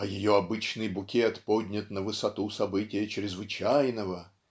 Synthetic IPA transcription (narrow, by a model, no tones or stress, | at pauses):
ɐjɪjoɐbɨt͡ɕnɨjbʊkʲet̪podʲnʲɪt̪nəvɨsɐt̪usɐbɨtʲɪjət͡ɕɾʲɪzvɨt͡ɕæjnəvə